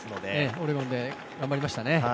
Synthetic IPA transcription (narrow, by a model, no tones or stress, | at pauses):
ɨnod̪eeoɾeɡõnd̪e̞ | ɡãmbaɾʲimaɕi̥t̪ane̞